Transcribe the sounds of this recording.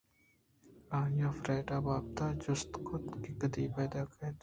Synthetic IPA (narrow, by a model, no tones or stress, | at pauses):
aːjaːfɾɛːɖaːbaːb̚t̪aːd͡ʒʊst̪kot̪kɪkəd̪iːpɛːd̪aːkɐt̪ː